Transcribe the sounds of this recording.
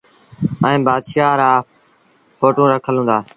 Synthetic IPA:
ɛ̃ːbaːd̪ʃaːɾaː | foːʈõːɾəkʰəlɦũnd̪aː

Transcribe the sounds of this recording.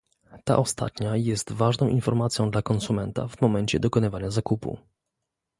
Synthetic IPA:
t̪a̰ʔɔst̪a̰t̪ɲajɛst̪vaʐnɔ̃w̃ʔinfɔɾmat̪sʲjɔ̃w̃d̪lakɔnsumɛnt̪a̰vmɔmɛɲt͡ɕɛ̰d̪ɔkɔnɘvaɲazakupṵ

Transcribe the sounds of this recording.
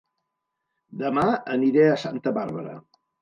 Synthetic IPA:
d̪əmaəniɾeəsant̪əβaɾβəɾə̰

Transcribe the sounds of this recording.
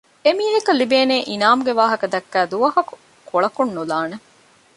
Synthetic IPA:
emiːɦekɐlibeːneːʔinaːmuɡeʋaːɦɐkɐd̪ɐkːæːd̪uʋɐɦɐku̥ | koɭɐkunːulaːne

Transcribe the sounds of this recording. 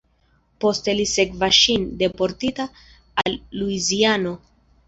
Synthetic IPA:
po̞stelise̞kvaʃinde̞po̞ɾtitaː | lːuiziano̞

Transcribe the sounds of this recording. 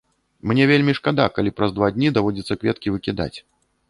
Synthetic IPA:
mnʲɛvʲelʲmʲiʂkad̪akalʲipɾɐzd̪vad̪ʲnʲid̪avɔd͡zʲit̪sːɐkvʲɛt̪kʲivɨkʲid̪a̰t͡sʲ

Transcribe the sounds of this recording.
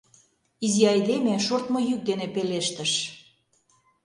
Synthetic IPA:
iziɑjd̪emeʃort̪mojyk̚d̪enepeleʃt̪ə̆ʃ

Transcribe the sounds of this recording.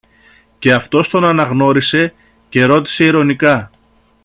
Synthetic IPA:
ce̞ɐft̪o̞st̪o̞nɐnɐɣno̞ɾise̞ | ce̞ɾo̞t̪i̥se̞iɾo̞nikɐ

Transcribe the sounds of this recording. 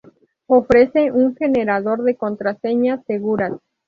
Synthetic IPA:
ofɾe̞seuŋxeneɾaðo̞ɾðe̞ko̞nt̪ɾase̞ɲaseɣuɾas

